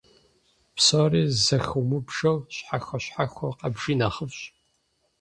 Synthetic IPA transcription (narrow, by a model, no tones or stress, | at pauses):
psoːriːzɐxuwmɨbʒɐwɕħaxʷɐɕħaxʷɔqɐbʒiːnaːχəfɕ